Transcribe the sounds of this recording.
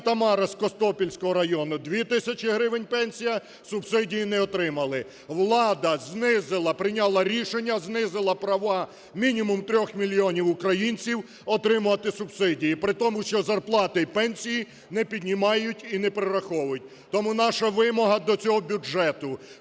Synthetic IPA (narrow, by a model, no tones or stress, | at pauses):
t̪ɐmɑɾɐskɔst̪ɔpʲilʲsʲkɔɦɔɾɐjɔnʊd̪ʋʲit̪ɪsʲɐt͡ʃʲɪɦɾɪʋenʲpɛnʲsʲijɐ | sʊbsɪdʲijinɛɔt̪ɾɪmɐlˠɪ | ʋlˠɑd̪ɐznɪzɪlˠɐpɾɪnʲɑlˠɐɾʲiʃenʲːɐznɪzɪlˠɐpɾɐʋɑ | mʲinʲimʊmt̪ɾʲɔxmʲilʲijɔnʲiwʊkɾɐjinʲt͡sʲiw | ɔt̪ɾɪmʊɐt̪ɪsʊb̥sɪdʲijipɾɪt̪ɔmʊʃt͡ʃɔzɐrplˠɑt̪ɪipɛnʲsʲiji | nɛpʲid̪ʲnʲimɑjʊtʲinɛpɾɪɾɐxɔwɐjʊt̚ʲ | t̪ɔmunɑʃɐʋɪmɔɦɐd̪ɔt͡sʲɔɦɔbʲud͡ʒɛt̪ʊ